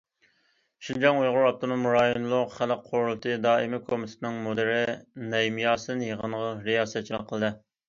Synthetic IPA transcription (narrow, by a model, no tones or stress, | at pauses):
ʃind͡ʒɑŋujʁʊɾɑp̚t̪ʰonomɾɑːjinlˠʊqχæləqqʰːoɾulˠt̪ʰɨd̪ɑːimɪkʰomɪt̪ʰɪ̥t̪ɪnɨŋmod̪ɪɾɪnɛjmijɑːsɨd̪ɨnjəʁənʁɑɾijɑːsɛt̪̚t͡ʃʰlˠɑqʰəlˠɨd̪ɨ